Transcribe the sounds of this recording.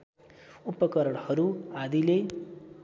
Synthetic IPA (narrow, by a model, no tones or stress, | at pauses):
upːʌkʌɾʌɽhʌɾuad̪ile